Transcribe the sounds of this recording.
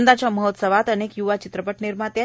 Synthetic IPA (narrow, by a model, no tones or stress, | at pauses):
nd̪at͡ɕjaməɦət̪səʋat̪ənekjuʋat͡ɕit̪ɾəpəʈniɾmat̪ja